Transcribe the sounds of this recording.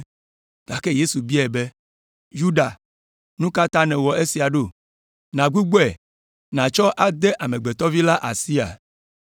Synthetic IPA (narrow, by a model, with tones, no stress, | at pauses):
ɡ̥a˨ke˦je˦su˨bi˦ɛ˨be˦ | ju˦ɖa˨ | nũ˦ka˦t̪ã˦nɛ̃˨wɔ˨e˦si˨a˨ɖo˦ | nã˨ɡu˦ɡ͡bo˦ɛ˨ | nã˨t͡ʃɔ˦ʔa˦d̪e˦ʔa˨mẽ˨ɡ͡be˨t̪ɔ˦vi˦la˦ʔa˨si˦a̰˨